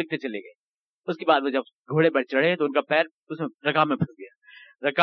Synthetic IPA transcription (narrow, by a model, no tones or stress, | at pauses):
ɪk̚t̪et͡ʃɐleɡɐe | ʊskebaːd̪ʋod͡ʒɐb̚ | ɡʱoːɽebɐɽt͡ʃɐɽet̪oʊnkapɛːɾ | ʊsmẽɾɐkamẽbʱɐɾɡɐjaɾɐk